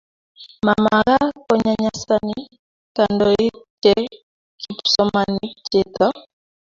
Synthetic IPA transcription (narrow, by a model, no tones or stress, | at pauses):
mamaɣakɔɲaɲasani | kandɔit͡ʃɛ | kipu̥sɔmanit͡ʃet̪ɔ